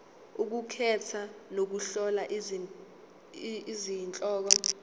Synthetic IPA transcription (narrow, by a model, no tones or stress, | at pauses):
uk̬ukʰɛtʰanok̬uɬɔlaʔ | izint͡ɬʼɔːk̬ɔ